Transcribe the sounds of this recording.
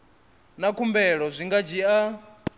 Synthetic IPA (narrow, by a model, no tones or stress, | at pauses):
nakʰumbɛɺɔzʷiŋɡad͡ʒia